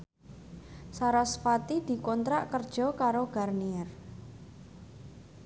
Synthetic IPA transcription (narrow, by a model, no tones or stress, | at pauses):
saɾaspat̪id̪̥i̤kɔnt̪ɾaʔkərd̥ʒ̥ɔ̤kaɾoɡ̥arniɛr